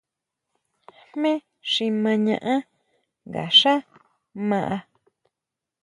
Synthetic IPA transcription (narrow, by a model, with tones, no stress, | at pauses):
hmẽ˦ | ʂi˧mã˧ɲã˧ʔã˦ | ŋɡa̰˨ʂa˦ | mã˧ʔa˧